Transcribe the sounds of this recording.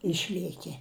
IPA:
ˈɪʃʲlʲiɛkʲiɛ

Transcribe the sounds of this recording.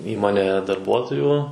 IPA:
ˈiːmoːnʲeːjɛ dɐrˈbuɔtoːjuː

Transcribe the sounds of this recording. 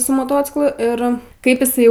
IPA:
sʊ moːˈtoːt͡sʲɪklˠʊ ˈɪr ˈkɐɪp ɪˈsɐɪ

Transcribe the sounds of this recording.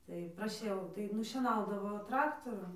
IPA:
tɐɪ prɐˈʃʲɛʊ tɐɪ nʊʃʲiɛˈnɐʊdɐʋoː ˈtrɑːktoːrʊm

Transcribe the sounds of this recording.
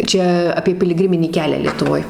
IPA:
ˈt͡ʃʲɛ ɐpʲiɛ pʲɪlʲɪˈɡrʲɪmʲɪnʲiː ˈkʲæːlʲæː lʲiɛtʊˈʋoːj

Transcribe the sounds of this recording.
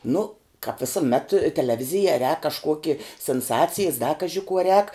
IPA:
nʊ kɐp ʋʲɪsʊˈmʲɛt tʲɛlʲɛˈʋʲɪzʲɪjɛ rʲɛːk kɐʃˈkuɔkʲɪ sʲɪnˈsɑːt͡sʲɪjɪs dɐ ˈkɑːʒʲɪ kuɔ rʲɛːk

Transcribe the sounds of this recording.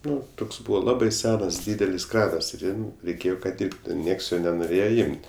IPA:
ˈnʊ ˈtoːks ˈbuːʋɐ ˈlˠɑːbɐɪ ˈsʲæːnɐs ˈdʲiːdʲɛlʲɪs ˈkrɑːnɐs ɪr ˈjɛm rʲɛɪˈkʲeːjoː kɐt ˈdʲɪrptʊ ˈnʲiɛks joː nʲɛnoːˈrʲeːjɛ ˈɪmʲtʲ

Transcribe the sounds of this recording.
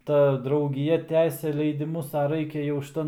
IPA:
ˈtɐ drɐʊɡʲɪˈjɛ ˈtʲæːsʲɛ lʲɛɪdʲɪˈmʊs ɐ ˈrɐɪkʲɛ jɛʊ ʃʲɪˈtɐn

